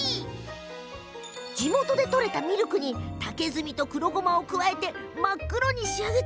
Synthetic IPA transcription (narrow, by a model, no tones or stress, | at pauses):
d͡ʑimo̞t̪o̞d̪e̞t̪o̞ɾe̞t̪amʲiɾɯkɯ̟ɲ̟it̪ake̞zɨmʲit̪o̞kɯ̟ɾo̞ɡo̞mao̞kɯ̟βae̞t̪e̞makːɯ̟ɾo̞ɲ̟iɕiaɡe̞t̪